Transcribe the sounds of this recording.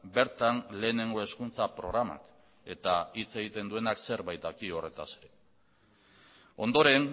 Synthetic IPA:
be̞ɾt̪anle̞ːne̞ŋɡo̞e̞skunt͡sapɾo̞̰ɣɾama̰k | e̞t̪ait͡se̞ɣit̪e̞nd̪ue̞nakse̞ɾβajt̪akio̞re̞t̪aseɾe̞ | o̞̰nd̪o̞ɾe̞n

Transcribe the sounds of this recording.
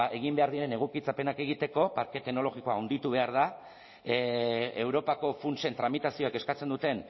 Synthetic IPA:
e̞ɣimbe̞aɾðieɾe̞ne̞ɣ̞ukit͡sape̞nake̞ɣit̪e̞ko̞paɾke̞t̪e̞ɣno̞lo̞ɣiko̞aːwnd̪it̪uβ̞e̞aɾð̞a | ewɾo̞pako̞funse̞nt̪ɾamit̪asio̞eke̞skat͡se̞nd̪ut̪e̞n

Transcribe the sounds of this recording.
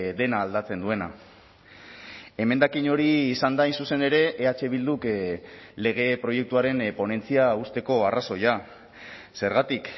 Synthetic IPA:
d̪e̞naːld̪at͡se̞nd̪ue̞na | e̞me̞nd̪akiɲo̞ɾiːsand̪aːjnsuse̞ne̞ɾe̞ʔːat͡ʃe̞β̞ild̪uk | le̞ɣ̞e̞pɾo̞je̞k̚t̪uaɾe̞npo̞ne̞nt͡siaust̪e̞ko̞araso̞ja | se̞ɾɣat̪ik

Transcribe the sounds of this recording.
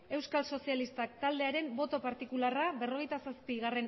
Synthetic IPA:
e̞wskalso̞sialist̪ak̚t̪ald̪e̞aɾe̞mbo̞t̪o̞paɾt̪ikularabe̞ro̞ɣe̞jt̪asaspiɣ̞are̞n

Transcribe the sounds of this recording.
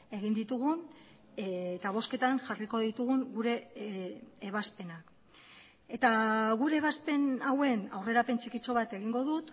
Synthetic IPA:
e̞ɣ̞ind̪it̪uɣun | t̪aβ̞o̞ske̞t̪anʝariko̞ðit̪uɣuŋɡuɾe̞ː | βaspe̞nak | e̞t̪aɣuɾe̞ːβaspe̞nawe̞nawre̞ɾape̞nt͡ʃikit͡so̞β̞at̪e̞ɣ̞iŋɡo̞ðut̪

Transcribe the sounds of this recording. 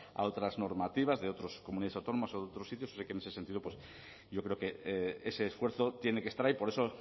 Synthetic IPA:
a̰o̞t̪ɾazno̞ɾmat̪iβazðe̞o̞t̪ɾo̞skomuniðaðeawt̪o̞nomasoðeot̪ɾo̞sːit̪jososekene̞se̞sent̪iðopwe̞s | ɟ͡ʝo̞kɾe̞oke̞eese̞ːsfwe̞ɾθo̞t̪je̞nekest̪aɾaipo̞ɾe̞so̞

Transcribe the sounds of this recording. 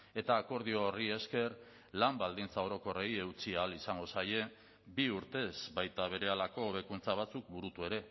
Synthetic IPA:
e̞t̪aːko̞ɾð̞io̞rie̞ske̞r | lambald̪int͡sao̞ɾo̞ko̞re̞je̞ut͡siaːlisaŋɡo̞saje̞ | biuɾt̪e̞zbajt̪aβ̞e̞ɾe̞alako̞β̞e̞kunt͡saβ̞at͡suk̚buɾut̪ue̞ɾe̞

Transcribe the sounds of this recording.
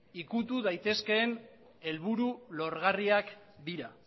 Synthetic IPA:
ikut̪uðajt̪e̞ske̞ːn | e̞lβuɾulo̞ɾɣariak | d̪iɾa

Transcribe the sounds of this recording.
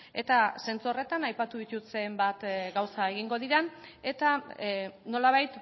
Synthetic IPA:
e̞t̪ase̞nt͡sore̞t̪anajpat̪uðit̪ut͡sembat̪ɡawsae̞ɣ̞iŋɡo̞ð̞iɾane̞t̪a | no̞laβ̞ajt̪

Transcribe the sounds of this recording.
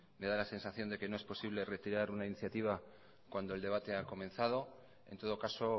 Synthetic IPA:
me̞ðalase̞nsaθjo̞nd̪e̞ke̞no̞e̞spo̞siβ̞le̞re̞t̪iɾaɾunainiθjat̪iβ̞a | kwand̪oe̞ld̪e̞β̞at̪e̞ako̞mẽ̞nθað̞o̞ | e̞nt̪o̞ð̞o̞kaso̞

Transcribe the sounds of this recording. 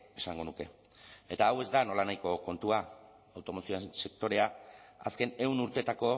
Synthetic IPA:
esaŋɡo̞nuke̞̰ | e̞t̪aːwe̞zd̪ano̞lanajko̞ko̞nt̪ua | awt̪o̞mo̞sioense̞k̚t̪o̞ɾe̞aa̰ske̞ne̞wnuɾt̪e̞t̪ako̞

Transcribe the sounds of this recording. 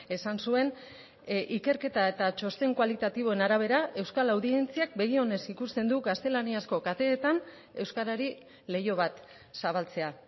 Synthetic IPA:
e̞sansue̞n | ʔike̞ɾke̞t̪ae̞t̪at͡ʃo̞st̪e̞ŋkwalit̪at̪iβ̞o̞e̞naɾaβ̞e̞ɾae̞wskalawðient͡siak̚be̞ɣio̞ne̞sikust̪e̞nd̪uɣast̪e̞laniasko̞kat̪e̞ːt̪an | e̞wskaɾaɾi | le̞jo̞β̞at̪ | saβ̞alt͡se̞a

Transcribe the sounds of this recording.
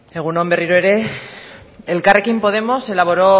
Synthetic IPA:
eɣunomberiɾoeɾe | elkarekimpo̞ð̞e̞mo̞se̞laβo̞ɾo̞

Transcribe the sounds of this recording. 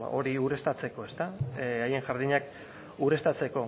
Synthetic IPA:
ʔo̞ɾiuɾe̞st̪at͡se̞ko̞e̞st̪aaje̞ŋʝaɾðiɲak | uɾe̞st̪at͡se̞ko̞

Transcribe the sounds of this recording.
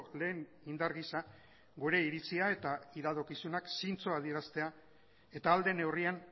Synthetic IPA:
le̞ːn | ind̪aɾɣisa | ɡuɾe̞iɾit͡siae̞t̪aiðaðokisunaksint͡so̞að̞ieɾast̪e̞a | e̞t̪aːld̪ene̞wrian

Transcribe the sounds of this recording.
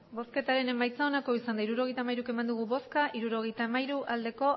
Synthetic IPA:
bo̞ske̞t̪aɾe̞ne̞majt͡sao̞nako̞isand̪aiɾuɾo̞ɣejt̪amajɾuke̞mand̪uɣ̞uβo̞skaʔiɾuɾo̞ɣe̞jt̪amajɾuʔald̪e̞ko̞

